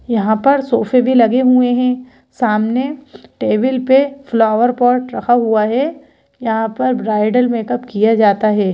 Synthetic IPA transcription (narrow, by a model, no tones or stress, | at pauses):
jɐɦãpɐɾsoːfebʱilɐɡeɦueɦɛ̃ː | saːmneʈeːʋɪlpeflaːʋəɾpɔːɾʈɾɐkʰaɦuaɦɛː | jɐɦãpɐɾbɾaːɪɖəlmeːkɐpkijad͡ʒaːt̪aɦɛː